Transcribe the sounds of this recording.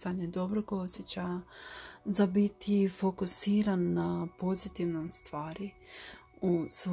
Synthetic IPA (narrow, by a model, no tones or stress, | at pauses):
saɲed̪o̞bɾoɡosʲjet͡ɕa | zabit̪ʰifo̞kusiːɾanːapo̞zit̪iʋnomst̪ʋaːɾi | us